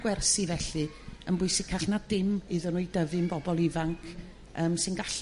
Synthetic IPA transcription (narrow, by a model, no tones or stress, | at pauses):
ɡ̥wɛrsivɛɬɨ | ənbʊɨsɪkʰaɬnadɪmɨðənʊjdəvɨnbɔbɔlˠɪvaŋkʰ | əːmsɨnɡaɬ